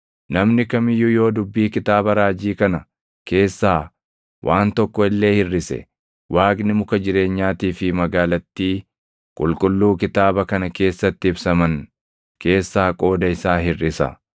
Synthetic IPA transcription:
nɐmnɪkɐmɪjʊjo̞ːd̪ʊbːiːkɪt̪aːbɐɾaːd͡ʒiːkɐnɐ | ke̞ːsːaː | wʔaːnt̪ɔkːɔɪlːe̞ːhɪrːɪsɛ̰ | wʔaːɡnɪmʊkɐd͡ʒɪɾe̞ːɲːaːt̪iːfɪmɐɡaːlɐt̪ːiː | kʼʊlkʼʊlːuːkɪt̪aːbɐkɐnɐke̞ːsːɐt̪ːɪɪbsɐmɐn | ke̞ːsːaːkʼo̞ːd̪ɐɪsaːɦɪrːɪsɐ̰

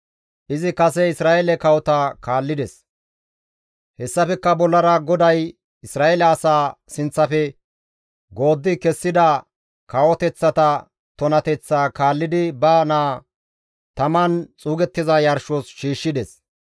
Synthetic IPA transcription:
ʔɪzɪkɐsɛɪsɾaːʔelɛkɐwɔt̪akʰaːlːɪd̪ɛs | hɛsːɐfɛkːɐbɔlːɐɾɐɡɔd̪ɐj | ɪsɾaːʔelɛɐsaːsɪnt͡sːɐfɛ | ɡo̞ːd̪ːɪkɛsːɪd̪ɐ | kɐwɔt̪ɛt͡sːɐt̪ɐ | t̪ɔnɐt̪ɛt͡sːaːkaːlːɪd̪ɪbɐnaː | t̪ɐmɐnt͡sʼuːɡɛt̪ːɪzɐjɐɾʃoːsʃiːʃːɪd̪ɛs

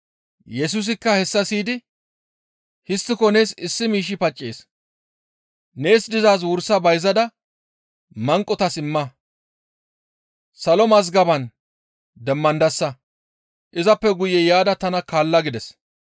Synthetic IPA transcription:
jɛs̬ʊs̬ɪkːɐhɛsːɐsiːd̪ɪ | hɪst̪ːɪkɔne̞ːsɪsːɪmiːʃ̬ɪpɐt͡ʃʼːeːs | ne̞ːsd̪ɪzaːs̬wʊɾsːɐbɐjzɐd̪ɐ | mɐŋkʼːɔt̪ɐsɪmːɐ | sɐlɔmɐz̬ɡɐbɐn | d̪ɛmːɐnd̪ɐsːɐ | ʔɪzɐpːɛɡʊjɛjaːd̪ɐt̪ɐnɐkaːlːɐɡɪd̪ɛs

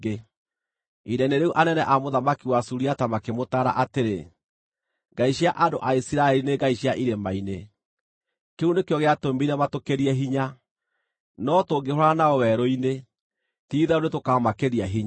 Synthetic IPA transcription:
e | iɾɛneɾeuʔanɛnɛʔamoðamakiwasuɾiatamakemotaɾa̰ʔateɾe | ŋɡaiɕiaʔandoʔaisiɾaɛɾineɡaiɕiaʔiɾemaine | keunekeɔɣeatombiɾɛmatokeɾiɛɦiɲa | nɔtoːɡeɦoɾanaɔwɛɾoine | tiːðɛoɾetokamakeɾiaɦiɲa

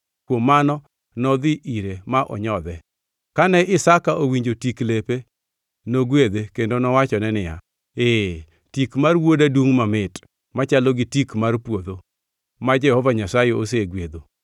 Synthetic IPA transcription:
kwomːanɔ | nɔd̪ɪʔiɾemaʔɔ̰ɲɔd̪ɛ | kanɛʔɪsakaʔowiɲd͡ʒotiklepe | noɡwed̪ekendonɔwat͡ʃɔnɛnɪja̰ | e | tikmarwodadwuŋmamɪt | mat͡ʃaloɡɪtikmarpwod̪o | mad͡ʒɛhɔvaɲasajeoseɡwed̪o

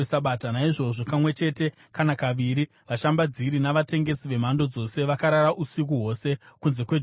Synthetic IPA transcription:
saɓatanaiʐo̞ʐokamwe̞t͡ʃe̞ːte̞ | kanakaʋiːɾi | ʋaʃambad͡ziɾinaʋate̞ŋɡe̞siʋe̞mando̞d͡zo̞se̞ʋakaɾaɾaʔusik̬uɦo̞se̞kunze̞kwe̞d͡ʒ

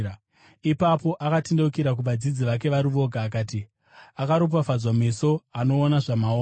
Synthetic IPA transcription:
ipapo̞ʔakatindeukiɾak̬uʋad͡zid͡ziʋak̬e̞ʋaɾiʋo̞ɡʱaːk̬aːti | akaɾop̬afad͡zwameso̞ano̞ːnaʐamao

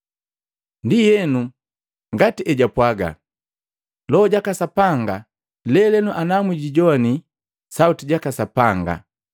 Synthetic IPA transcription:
ndijɛnu | ŋɡatiʔɛɟapwaɡa̰ | lɔɔɟakasapaŋɡa | lɛlɛnuʔanamwiɟiɟɔani | sautiɟakasapaŋɡa̰

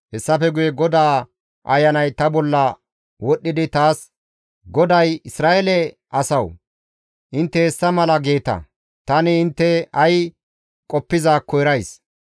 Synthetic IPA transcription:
hɛsːɐfɛɡʊjɛɡɔd̪aː | ʔɐjːɐnɐjt̪ɐbɔlːɐ | wɔɗːɪd̪ɪt̪aːs | ɡɔd̪ɐjɪsɾaːʔelɛ | ʔɐsɐw | ʔɪnt̪ːɛɛsːɐmɐlɐɡeːt̪ɐ̰ | t̪ɐnɪɪnt̪ːɛɐj | kʼɔpːɪzaːkʰːɔjɾɐjs

